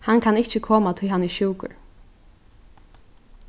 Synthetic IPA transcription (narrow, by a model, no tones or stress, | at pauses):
hankʰanɪçt͡ʃɪkʰɔːmat̪ʰɪɦanɪʃuːkʊ̰ɹ